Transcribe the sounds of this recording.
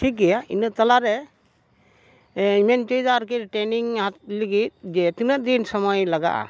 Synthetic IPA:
ʈʰik̚ɡijaḭnɯt̪alaɾɛ | iment͡ʃɔjzaɾkiɾʈeniŋɦat̪̚liɡit̪̚d͡ʒɛt̪inəd̪insɔmɔjlaɡa̰ʔa̰

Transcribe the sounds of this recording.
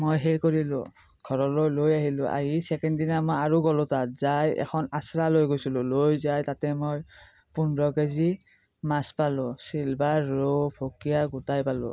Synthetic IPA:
mojɦejkoɹilʊ̰̃ | ɡ̥ʱɔɹɔlojlojaɦilʊ̰̃ʔa̰ɦisɛkɛnddinamojaɹuɡɔlʊ̃tatzajɛ̰xʰɔnasɹalojɡojsulʊ̃lojzajtatɛmoj | punɹɔkezi | maspalʊ̃silbaɹːobʰʱokijaɡutajpalʊ̰̃

